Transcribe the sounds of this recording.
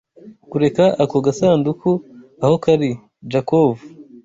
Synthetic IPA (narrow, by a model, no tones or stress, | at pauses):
kuɾe̞kaʔakoɡasaːndukʰuaho̞kaɾi | d͡ʒakovu